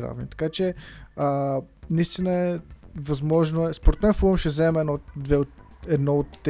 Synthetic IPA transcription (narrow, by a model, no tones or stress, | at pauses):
ɾa̰vnit̪ɐ̥kat͡ʃɛənɐist̪inəɛvɐzmɔʒnoɛspoɾɛt̪mɛnfuəmʃɛzɛmɛnɔd̪vɛot | ɛd̪nɔot̪ː